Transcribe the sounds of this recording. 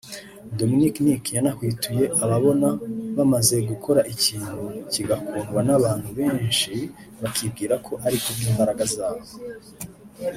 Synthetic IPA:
do̞miniknikjanahwiːtʰuje̞ʔaβaβo̞naβamaze̞ɡukʰo̞ɾaʔiciːn̥huciɡakʰuːŋɡwanaβaːnhuβe̞ːnʃi | βakʰib̚ɡiːɾakʰo̞ʔaɾikumiːmbaɾaɡazaːβo

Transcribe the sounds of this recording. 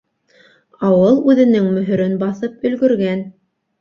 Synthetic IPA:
ɑwɤlˠʉðɘ̆nɘŋmɵ̆ɦɵ̆ɾɘnbɑθɤp̚ɵ̆lɡɵ̆ɾɡæn

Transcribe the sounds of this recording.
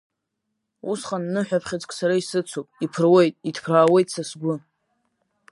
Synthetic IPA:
usχʼanːɨħᶣapʰχʲat͡sʼkʼsaɾaisɨt͡sʷʰopʼipʰɨrwejtʼidʰpʰraːwe̞jtʼsasɡʷʊ

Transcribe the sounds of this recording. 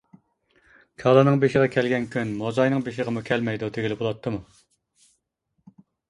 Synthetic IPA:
kʲʰɑlˠɑnɨŋbeʃɪʁɑkʲʰælɡʲɛnkʲʰynmozɑjnɨŋbeʃɪʁəmukʲʰɛlmɛjd̪ud̪ʰeɡʲilɪbolˠɑt̪ʰːɨmu

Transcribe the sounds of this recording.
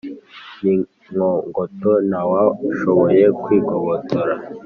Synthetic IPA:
ni | ŋoŋɡotonawaʃoβoje̞kwiːɡoβotʰoɾa

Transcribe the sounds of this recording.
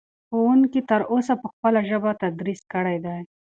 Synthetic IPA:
xowuŋkit̪əɾosapəxpəlaʒəbat̪ad̪ɾiskəɽajd̪aj

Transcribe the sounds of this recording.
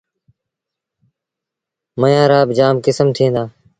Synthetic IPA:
məjãːɾaːbd͡ʒaːmkɪsəmt̪ʰĩːnd̪aː

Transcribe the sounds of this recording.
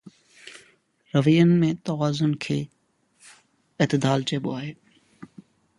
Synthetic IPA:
ɾəʋijənmẽːt̪əʋaːzənkʰeː | ɪt̪ɪd̪aːlt͡ʃeːɓoaːɦeː

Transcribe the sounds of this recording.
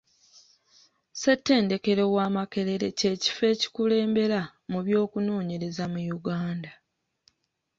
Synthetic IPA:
setːe̞ːnde̞ke̞ɾo̞waːmake̞ɾe̞ɾe̞ce̞ːci̥fe̞ːci̥kule̞ːmbe̞ɾamuβjo̞ːkuno̞ːɲe̞ɾe̞zamujuɡaːnda

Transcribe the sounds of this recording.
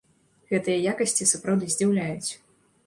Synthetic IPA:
ɣɛt̪ɨjɐjakɐsʲt͡sʲisapɾawd̪ɨzʲd͡zʲiwlʲajut͡sʲ

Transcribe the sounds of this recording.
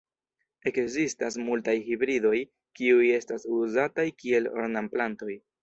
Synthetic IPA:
e̞kzistas̬multajhibɾido̞j | kiuje̞stasuzatajkie̞lo̰ɾnamplanto̞j

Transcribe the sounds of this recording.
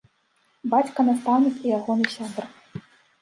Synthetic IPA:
bat͡sʲkɐnast̪awnʲɨt͡s̪ijaɣɔnɨsʲad̪r

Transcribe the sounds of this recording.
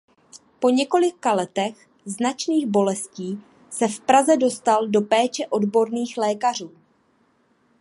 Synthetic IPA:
po̞ɲɛko̞lɪkalɛt̪ɛx | znat͡ʃniːɣbo̞lɛsciː | sɛfpɾazɛdo̞st̪aldo̞pɛːt͡ʃɛʔo̞dbo̞ɾniːxlɛːkar̝uː

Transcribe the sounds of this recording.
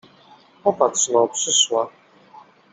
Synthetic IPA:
ɔpatʂnɔpʂɘswa

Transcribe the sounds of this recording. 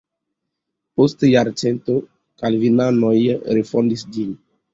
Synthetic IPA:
postjaɾt͡sento | kalvinanojɾefondisd͡ʒin

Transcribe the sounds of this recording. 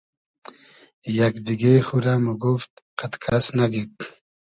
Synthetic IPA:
jakd̪iɡexuɾamuɡuft̪̚ | qat̪kʰasnaɡit̪

